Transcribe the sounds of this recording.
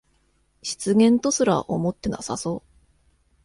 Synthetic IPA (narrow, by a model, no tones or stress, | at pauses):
ɕi̥t͡sɨɡẽ̞nt̪o̞sɨɾa̰ʔomo̞t̪ːe̞nasaso̞ː